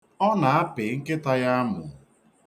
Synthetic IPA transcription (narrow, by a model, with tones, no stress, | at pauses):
ɔ˦na˨a˦pɪ˨˦ŋ̩˦kɪ˦ta˦ja˦a˦mʊ̰˨